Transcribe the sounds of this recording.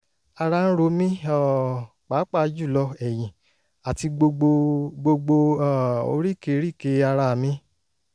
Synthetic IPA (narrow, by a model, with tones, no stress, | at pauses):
a˧ɾa˧n̩˦ɾo˧mĩ˦ɔ˨ | k͡pa˨˦k͡pa˦˧˦d͡ʒu˦˨lɔ˧ɛ˨j̃ĩ˨ | a˨ti˧ɡ͡bo˧ɡ͡bo˧ɡ͡bo˧ɡ͡bo˧a˦˨o̰˧ɾi˦˨ke˧˦ɾi˦˨ke˨˧˦a˧ɾa˧˨mĩ˦